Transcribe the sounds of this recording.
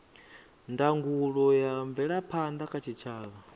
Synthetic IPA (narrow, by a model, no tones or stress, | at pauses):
ndaŋɡuɺɔjaɱvɛɺapʰand̪akʰat͡ʃʰit͡ʃʰaːβa